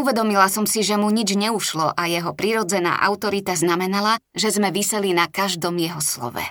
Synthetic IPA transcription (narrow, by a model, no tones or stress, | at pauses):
uʋɛd̪ɔmilasɔmsiʒɛmuɲid͡ʒɲɛuʃlɔʔajɛɦɔpɾiɾɔd͡zɛna̰ːʔa̰ʊt̪ɔɾit̪aznamɛnalaʒɛzmɛʋisɛlinakaʒd̪ɔmjɛɦɔslɔ̰ʋɛ̰